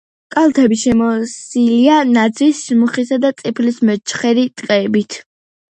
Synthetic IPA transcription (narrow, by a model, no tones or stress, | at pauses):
kʼalˠt̪ʰɛbiʃɛmɔsilianad̪zisʃmuχisad̪at̪sʼipʰlismɛt͡ʃʰχɛɾit̪ʼqʼɛbit̪ʰ